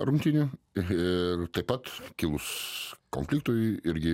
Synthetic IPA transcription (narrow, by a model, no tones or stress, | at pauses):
ɾʊmʲt̪ʲinʲʊɪrt̪ɐɪpɐt̪kʲɪlˠʊskonʲfʲlʲɪkt̪oːjɪɾʲɡʲɪ